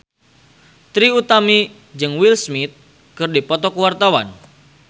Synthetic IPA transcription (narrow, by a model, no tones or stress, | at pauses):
t̪ɾiut̪ami | d͡ʒɨŋwilsmit̪̚ | kɨrdipɔt̪ɔkəwart̪awa̰n